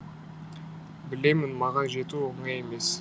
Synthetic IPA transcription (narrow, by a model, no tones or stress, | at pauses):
bɪle̞mɪnmɑʁɑnʒe̞t̪uoɴɑje̞me̞s